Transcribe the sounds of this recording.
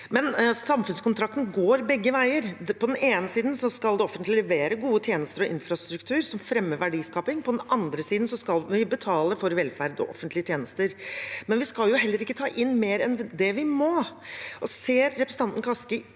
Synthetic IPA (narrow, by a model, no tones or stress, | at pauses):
mɛnsɑmfʉnskʊnt̪ʰɾɑk̚t̪nəɡoːɾbɛɡːəʋæɪəɾpʰɔd̪ɛneːnəsiːd̪n̩sɔskɑld̪ɛɔfənt̪lɪlɛʋeːɾəɡuːət̪ʰjeːnəst̪əɾɔʔɪ̰nfɾɑst̪ɾʉkt̪ʰʉːɾsɔmfɾɛmːəʋæɖiːskɑːpɪŋpʰɔd̪ɛnɑnd̪ɾəsiːd̪n̩sɔskɑlʋɪbət̪ʰɑːləɾfɔɾʋɛlfæɾd̪ɔ̰ʔɔ̰fənt̪lɪət̪jeːnəst̪əɾmɛnʋɪskɑljʊɦɛlːəɾɪkːət̪ʰɑːʔɪnːmeːɾɛnd̪ɛʋɪmoːʔɔseːɾːɛpɾəsəɑnt̪n̩kʰɑskə